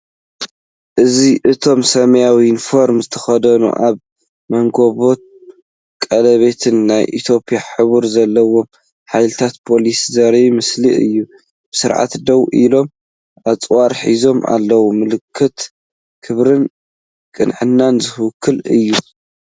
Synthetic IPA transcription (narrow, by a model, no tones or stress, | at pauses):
ʔɨziʔɨt̪ʰo̞msɐmɐjawiinfo̞ɾmzɨt̪ʰɐ̥xɐd̪ɐnṵʔaβ | mɐŋɡoβo̞t̪̚ | kʼɐlɐβe̞t̪ʰɨnːajʔḭt̪ʰjo̞pʰʼijaħɨβuɾzɐlːɐwo̞m | ħajlɨt̪ʰat̪pʰo̞liszɐɾimɨsliʔɨ̰jːu | b̥ɨsɨɾʕa̰t̪d̪ɐwʔilo̞m | ʔat͡sʼwaɾħizo̞mʔa̰lːɐwumɨlɨkʰːɨt̪ | kʰɨβɾɨn | kʼɨnʕɨnːanzɨhkʰːɨlɨ̰jːu